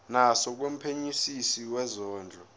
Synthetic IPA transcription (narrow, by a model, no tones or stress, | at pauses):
nasɔk̬wem̩pʰeɲisisiwɛzɔːnd͡ɮʱɔ